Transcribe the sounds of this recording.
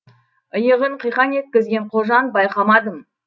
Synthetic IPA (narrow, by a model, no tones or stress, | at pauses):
əjəʁəɴqʰəjqɑne̞t̪̚kʲɪzɡʲe̞ɴqʰoʒɑnbɑjqɑmɑd̪əm